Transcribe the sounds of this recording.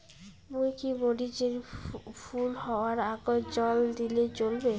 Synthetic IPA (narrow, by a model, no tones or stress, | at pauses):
mujkiboɖid͡ʑeɾfʰulhɔaɾaɡod͡ʑɔld̪ilet͡ɕolbe